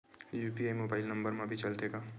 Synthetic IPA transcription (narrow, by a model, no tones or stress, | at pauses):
juːpiaːjmoːbaːɪlnɐ̃mbəɾmãbʱit͡ʃɐlt̪eɡaː